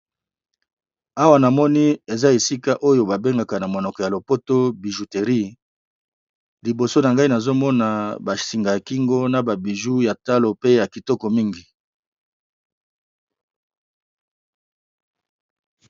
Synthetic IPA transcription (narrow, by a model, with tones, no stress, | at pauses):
a˦wa˦na˨mɔ˦ni˦e˨za˦e˨si˦ka˦ʔo˦jo˦ba˨be˦ŋɡa˦ka˨na˨mo˨nɔ˨kɔ˨ja˨lo˨po˦to˦bi˨ʒu˨te˨ʁi˦ | li˨bo˨so˦na˨ŋɡa˦i˦na˨zo˦mɔ˦na˨ba˨si˨ŋɡa˨ja˨ki˦ŋɡo˦na˨ba˨bi˨ʒu˦ja˨ta˦lo˨pe˦ja˨ki˨tɔ˦kɔ˨mi˦ŋɡi˨